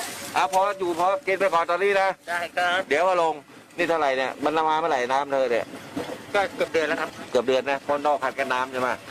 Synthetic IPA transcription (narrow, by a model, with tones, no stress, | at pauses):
ʔa˧˩pʰɔː˧juː˨˩pʰɔː˧ki˧npa˧jkɔː˨˩nt̪ɔː˧niː˥˩na˦˥daː˧˩˨kʰa˦˥di˨˦əwʔa˧˩lo˧ŋ | niː˧˥˩t̪ʰa˧wɾa˨˩jni˧˩ɐma˧nla˧maː˧ma˧˩la˨˩jnaː˦˥mt̪ʰɤː˧ni˧˩kɔː˥˩kɯ˨˩əp̚dɯ˧ənlkʰa˦˥p̚kɯ˨˩əp̚dɯ˧ənːa˦˥kʰo˧˩˦ndɔː˧˩kʰa˨˩t̪̚ka˧nːaː˦˥mt͡ɕa˧˩maː˧˩